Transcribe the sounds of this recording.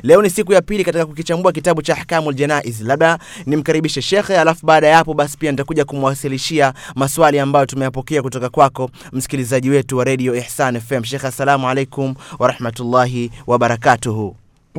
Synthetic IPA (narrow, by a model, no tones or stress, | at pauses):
lɛɔnisikujapilikatikakukit͡ʃambuak̬itaɓut͡ʃaːħkamualʄɛnaʔizlaɓa | nim̩kaɾiɓiʃɛʃɛxalafuɓaːɗajapɔɓasi̥pianitakuʄakumwasiliʃiamaswaliambajɔtumɛjapɔkɛakutɔkakwakɔ | m̩si̥kilizaʄiwɛtuwaɾɛɗiɔɛħsanɛfɛmʃ̬ɛxasːalamualejkumwaɾɑħmatulːaɦiwaɓaɾakatuɦuː